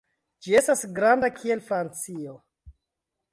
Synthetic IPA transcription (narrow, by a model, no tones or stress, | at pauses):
d͡ʒie̞stasɡɾandakʰie̞lfɾant͡sio̞